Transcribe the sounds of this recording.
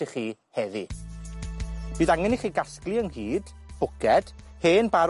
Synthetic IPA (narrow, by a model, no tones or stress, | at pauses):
iχiːhɛði | b̥iːðaŋɛniχiːɡasklˠiəŋhiːd̥ | b̥ʊɡɛd̥ | heːnbaɾ